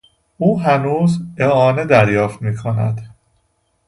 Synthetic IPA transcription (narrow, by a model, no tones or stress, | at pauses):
ʔuːɦænuːzeɒːne̞d̪æɾjɒːft̪miːkʰonæ̰d̪